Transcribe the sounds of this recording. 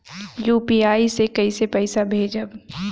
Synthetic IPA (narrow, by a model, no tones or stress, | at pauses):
juːpiːaːisekɐisepɛɪsabʱeːd͡ʒəb